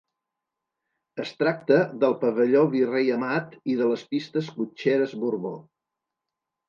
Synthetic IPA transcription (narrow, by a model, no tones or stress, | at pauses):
əst̪ɾak̚t̪əðəlˠpəβəʎoβirejəmat̪iðələspist̪əskut͡ʃeɾəzβuɾβo